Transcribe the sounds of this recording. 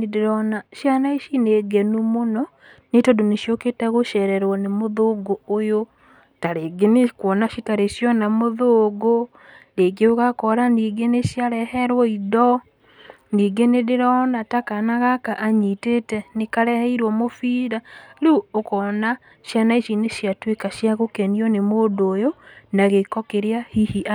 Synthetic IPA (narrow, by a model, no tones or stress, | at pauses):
nedeɾɔnaʃjanaiʃineɡenumonɔ | netɔdoneʃjoketaɣoʃɛɾɛɾwɔnemoðoɡoːjo | taɾeɡenekwɔnaʃitaɾeʃjɔnamoðoɡo | neɡeoɣakɔɾaniːɡeneʃjaɾɛhɛɾwɔiðɔ | niːɡeneɾeɾɔnatakanaɣakaʔaɲitetɛnekaɾɛhɛiɾwɔmofiːɾaɾuokɔna | ʃjanaiʃineʃjatwekaʃjaɣokɛniɔnemodoːjonaɣekɔkeɾeahihia